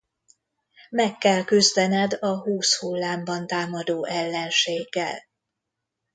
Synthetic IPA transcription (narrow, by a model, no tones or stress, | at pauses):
mɛkːɛlkyzd̪ɛnɛd̪ɒɦuːshulːaːmbɒnt̪aːmɒd̪oːʔɛlːɛnʃeːɡːɛ̰l